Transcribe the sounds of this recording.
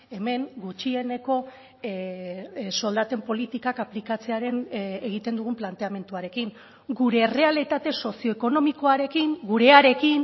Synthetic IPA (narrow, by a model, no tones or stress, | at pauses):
e̞me̞ŋɡut͡ʃie̞ne̞ko̞ | so̞ld̪at̪e̞mpo̞lit̪ikakaplikat͡se̞aɾe̞neɣ̞it̪e̞nd̪uɣ̞umplant̪e̞ame̞nt̪uaɾe̞kiŋ | ɡuɾe̞re̞alit̪at̪e̞so̞sio̞eko̞no̞miko̞aɾe̞kiŋɡuɾe̞aɾe̞kin